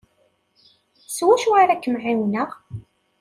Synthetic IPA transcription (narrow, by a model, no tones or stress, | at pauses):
swæʃaɾækːəmʕiwnəʁ